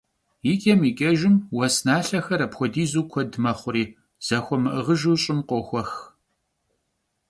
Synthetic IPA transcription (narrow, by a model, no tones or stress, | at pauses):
jɪkʼɐmikʲʼɐʒɪmwɐsnaːɬɐxɐɾɐpxʷɔdiːzuːkʷʰɔdmɐχʷʊɾiː | z̥ɐxʷɔmɨʔəʁəʒuːɕʼɪmqʷɔxʷɔx